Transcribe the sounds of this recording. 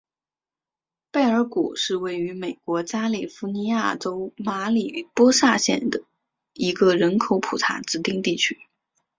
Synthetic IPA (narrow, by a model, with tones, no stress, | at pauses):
pe˥˩ɪə˞˧˥kṵ˨˩ʂɻ̩˥˧we˥˩ɪy˧˥me˨˩ɪkwɔ˧˥t͡ɕja˥li˨˩fu˧˥ni˧˥ja˥˩ʈ͡ʂo˥ʊma˧˥li˨˩pwɔ˥ʂa˥˧ɕjɛ̰˥˩nd̪ə˩ | i˧˥ɡə˧ɻə˧˥nkʰo˧˥ʊpʰu˨˩t̪ʰa̰˧˥t͡sɹ̩˥t̪i˥˧ŋt̪i˥˩t͡ɕʰy̥˥